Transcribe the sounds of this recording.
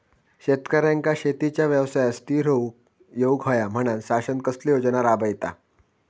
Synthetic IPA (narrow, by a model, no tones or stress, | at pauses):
ɕet̪kəɾjãŋkaɕet̪it͡ɕjaʋjəʋsajast̪iːɾəw | joukɦojam̤əɽ̃ansasənkəslijod͡znaɾabəjt̪a̰